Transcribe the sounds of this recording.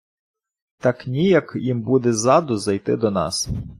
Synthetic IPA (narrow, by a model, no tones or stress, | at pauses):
t̪ɑknʲijɐkjimbud̪ɛzɑd̪ʊzɐjt̪ɪd̪ɔnɑ̰s